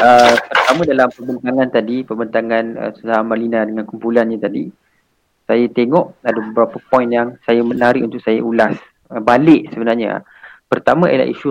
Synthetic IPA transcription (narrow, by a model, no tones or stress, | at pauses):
əpərt̪amə̃dalampərbənt̪aŋãnt̪adipəbənt̪aŋanə̰suntaamalinadəŋãnkumpulanɲə̃t̪adi | sajat̪eŋɔʔadabəbəɾapəpɔjĩnjaŋsajamənaɾiʔunt̪ʊkʔsajaʔulas | əbalɪʔsəbənarɲa̰ | pərt̪amə̃a̰j̰la̰ḭʃu